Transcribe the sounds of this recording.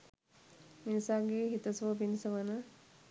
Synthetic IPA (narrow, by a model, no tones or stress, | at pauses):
minisaːɡeɦit̪əsʋəbinisɐʋɐnə